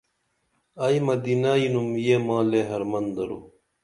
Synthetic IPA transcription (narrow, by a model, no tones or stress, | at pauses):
ajmɐd̪inaːinumjeːmãːleːɦɐɾmɐnd̪ɐɾṵ